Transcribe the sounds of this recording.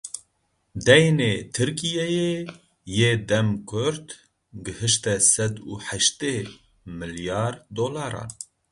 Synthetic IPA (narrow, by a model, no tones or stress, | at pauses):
d̪ɛjneːt̪ʰɨɾkijɛje | jeːd̪ɛmkʰʊɾt̪ | ɡɨhɨʃt̪ɛsɛd̪ṵːħɛʃt̪eː | mɨljɑːɾd̪oːlɑːɾɑ̰ːn